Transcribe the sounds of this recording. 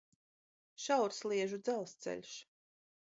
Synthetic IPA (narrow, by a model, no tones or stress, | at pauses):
ʃawɾslˠiɛʒud̪zælˠst̪sɛ̰lʲʃ